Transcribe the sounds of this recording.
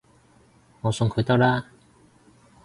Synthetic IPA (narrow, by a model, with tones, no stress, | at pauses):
ŋɔ˨˩sɔ˧ŋkʰo˨˥˦t̪a˥˧˩la˥˦